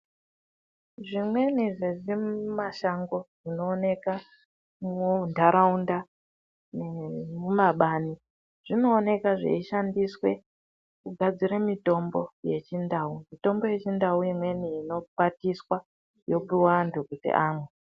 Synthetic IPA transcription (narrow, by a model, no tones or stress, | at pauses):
ʐimwe̞niʐeʐimaʃaŋɡo̞ʐino̞ːne̞ka | mundʱaɾaunda | nemumaɓaːni | ʐ̥ino̞ːne̞kaʐḛiʃandiswe̞ | kuɡʱad͡ziɾemito̞mbo̞je̞t͡ʃindaːumito̞mbo̞je̞t͡ʃindauimwe̞niːno̞patiswa | jo̞piwandʱukutḭʔaːmwe